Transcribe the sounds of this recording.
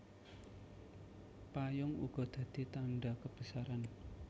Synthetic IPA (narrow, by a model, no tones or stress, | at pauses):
pajʊŋṵɡ̥ɔ̤d̪̥ä̤d̪̥i̤t̪aɳɖakəb̥ə̤saɾan